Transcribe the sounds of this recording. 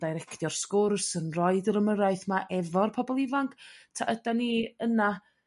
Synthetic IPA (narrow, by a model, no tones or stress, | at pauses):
d̥ajɾɛkʰd̥jɔr̥skʊrsənrɔɨdrəməɾaɨθmaʔɛvɔrpʰɔbɔlˠɪvaŋkʰtʰaʔədaniːəna